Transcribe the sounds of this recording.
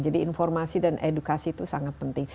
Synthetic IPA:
d͡ʒadiːnfɔrmasidanʔedukasit̪usaŋat̪̚pənt̪ɪŋ

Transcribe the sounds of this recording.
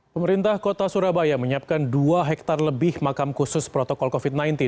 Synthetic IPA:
pəməɾint̪ahkot̪asuɾabajaməɲiap̚kanduaɦɛk̚t̪arləbɪhmakamkusʊspɾɔt̪ɔkɔlkofit̪̚najnt̪ɪn

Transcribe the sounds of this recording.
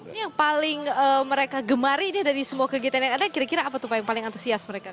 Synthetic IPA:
nijaŋpalɪŋəməɾekaɡəmaɾiniadaɾisəmuakəɡit̪anjaŋadakiɾakiɾaːpat̪upajaŋpalɪŋant̪u̥siasməɾeka

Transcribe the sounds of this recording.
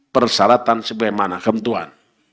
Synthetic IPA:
pərsaɾat̪ansəbaɡajmanakəmt̪ua̰n

